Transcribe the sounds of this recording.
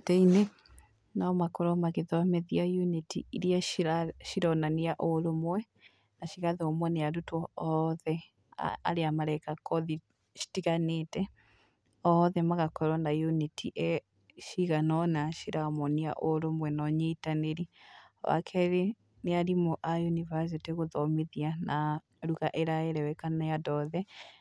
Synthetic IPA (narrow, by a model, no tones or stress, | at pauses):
tɛine | namakoɾɔmaɣeðɔmɛðiajunitḭiɾiaaʃiɾɔnaniaʔoɾomwɛ | naʃiɣaðeomwɛneaɾutwɔɔðɛ | a̰ɾeamaɾɛkakɔði | ʃi̥tiɣaneːtɛ | ɔðɛmaɣakɔɾwɔnajunitʰiʔɛ | ʃiɣanɔnaʃiɾamɔnia̰ʔoɾomwɛnɔɲitaneɾi | wa̰kʰɛɾe | neaɾimɔʔajunivas̬iteɣoðɔmeðiana | ɾuɣaʔeɾaɛɾɛwɛkanajadɔðɛ